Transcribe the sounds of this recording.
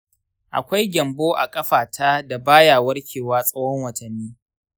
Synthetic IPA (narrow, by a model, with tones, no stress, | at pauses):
ʔa̰˨kʷa˦jɡʲɐ˨mboː˦ʔa̰˨kʼɐ˦ɸaː˨tʰa˦da˨baː˦jaː˨wɐ˦rkʲʰeː˨waː˦sʼɐ˦wɔ˦ŋwɐ˨tɐ˨nːiː˦